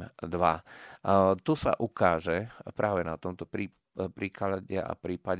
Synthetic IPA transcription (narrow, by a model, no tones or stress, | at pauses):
d̪ʋa | t̪usa̰ʔukaːʒɛpɾʔaːʋɛnat̪ɔmt̪ɔpɾiː | pɾiːkalaɟɛʔa̰pɾiːpaɟ